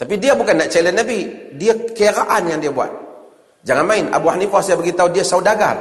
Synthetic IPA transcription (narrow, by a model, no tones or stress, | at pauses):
t̪apidiabukanːaʔt͡ʃalɛnabidiakəaɾaʔanjaŋdiabua̰t̪̚ | d͡ʒaŋanmaɪna̰buahnifasiabəɡit̪audiasaudaɡa̰r